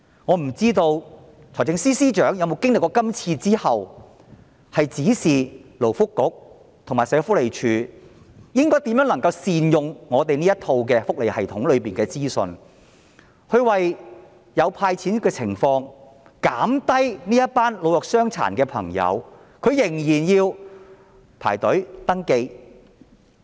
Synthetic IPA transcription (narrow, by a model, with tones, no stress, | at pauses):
ŋɔː˨˧m̩˨˩t͡siː˥t̪o˧w | t͡sʰɔː˨˩jt͡sɪ˧ŋsiː˥siː˥t͡ʃœː˨˥ŋjɐ˧wmo˨˧wkɪ˥ŋlɪ˨kːɔː˧kɐ˥mt͡sʰiː˧t͡siː˥hɐ˨w | hɐ˨jt͡siː˨˥siː˨lo˨˩wfʊ˥kːʊ˨˥k̚ | t̪ʰŋmaː˨˩jsɛː˨˧˥fʊ˥le˨˩jt͡ʃʰyː˨˧ | jɪ˥ŋkɔː˥jt̪iː˨˥mjœː˨˥lɐ˨˩ŋkɐ˧wsiː˨njʊ˨ŋŋɔː˨˧t̪e˨jniː˥jɐ˥t̪ʰo˧wk̬ɛː˧fʊ˥k̚le˨jhɐ˨˩jt̪ʰʊ˨˥ŋlɵ˨˧ɥpiː˨nkɛː˧t͡siː˥sɔ̰˧n | hɵ˨˧ɥwɐ˨j | jɐ˨˧wpʰaː˧jt͡sʰiː˨˥n˥kɛː˧t͡sʰɪ˨˩ŋfɔː˧ŋ | kaː˨˥mt̪ɐ˥jniː˥jɐ˥t̚paː˥nlo˨˧wɔː˨k̚sœː˥ŋt͡sʰa̰ː˨˩nkɛː˧pʰɐ̰˨˩ŋjɐ̰˨˧w | kʰɵ˨˧ɥjɪ˨˩ŋjiː˨˩njiː˧w | pʰa̰ː˨˩jt̪ɵ˨˥ɥt̪ɐ˥ŋke˧j